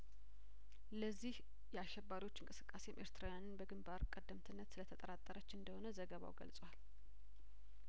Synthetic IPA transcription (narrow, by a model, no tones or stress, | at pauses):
ləzːih | jɛaʃːɛbaɾiwo̞t͡ʃːɨŋkʼɨsɨ̥kʼːase̞mʔe̞ɾt̪ʰɾawjanɨnbəɡɨmbaɾkʼəd̪ːəmt̪ʰɨnːət̪sɨlət̪ʰət̪ʼəɾat̪ʼːəɾət͡ʃːɪɨnd̪əho̞nəzəɡəβa̰wɡə̰lsʼwal